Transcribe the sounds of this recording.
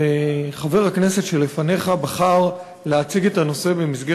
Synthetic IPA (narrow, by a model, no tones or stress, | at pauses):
eχave̞ʁhaknese̞tʃe̞lːe̞fane̞χabaχaʁ | leat͡siɡe̞tano̞se̞be̞misɡe